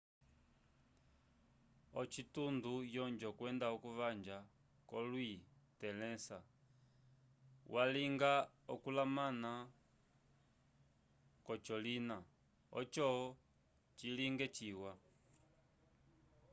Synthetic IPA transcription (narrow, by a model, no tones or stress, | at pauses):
ɔt͡ʃitundujɔɲd͡ʒɔkwɛndaɔkuβand͡ʒa | kɔlwitɛlɛsa | wʔaliŋɡaɔkulamana | kɔt͡ʃɔlina | ɔ̰t͡ʃɔɔ | t͡ʃiliŋɡɛt͡ʃiwa